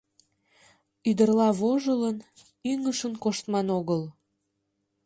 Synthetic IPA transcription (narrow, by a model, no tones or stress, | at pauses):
yd̪ərlɑβoʒələn | yŋəʃənkoʃt̪mɑnoɣəl